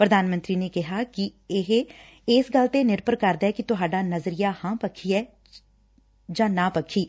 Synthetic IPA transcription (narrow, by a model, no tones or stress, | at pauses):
pɾəd̪aːnmə̃nt̪ɾiːneːkɪɦaːkɪɪɦ | ɪsɡəlt̪enɪɾpəɾkəɾd̪aːɛːkit̪ʊɦaːɖaːnəzɾijaːhãːpəkʰiːɛː | d͡ʒãːnaːpəkʰiː